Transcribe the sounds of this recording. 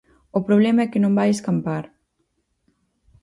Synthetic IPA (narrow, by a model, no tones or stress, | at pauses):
opɾoβ̞lɛmɐɛkenõmbajeskampaɾ